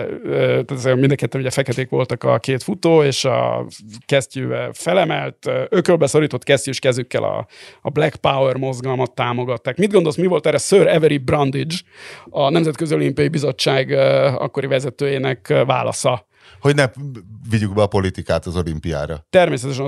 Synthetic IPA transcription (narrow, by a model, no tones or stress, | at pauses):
øt̪aːt̪ɛzɛmind̪ɛŋkɛt̪ːɛnuɟɛfɛkɛt̪eːkʋo̞lt̪ɒkɒ̰keːt̪fut̪oːeːʃɒ̰kɛscyːvɛ̰fɛlɛmɛlt̪ːøkɾølbɛso̞ɾiːt̪o̞t̪ːkɛscyʃkɛzykːɛ̰lɒ̰blɛkpauwɛrmo̞zɡɒlmɒt̪ːaːmo̞ɡɒt̪ːaːkmid̪ɡo̞nd̪o̞lsmivo̞lt̪ɛɾɛsøːɾɛvɛɾibrɒnd̪id͡ʒɒnɛmzɛt̪køzio̞limpijɒjibizo̞t͡ʃːaːɡɒ̰kːoɾivɛzɛt̪øːjeːnɛkva̰ːlɒ̰sɒ | ho̞ɟnɛviɟuɡbɛɒpo̞lit̪ikaːt̪ɒzolimpija̰ːɾɒ̰t̪ɛrmeːsɛt̪ɛʃɛn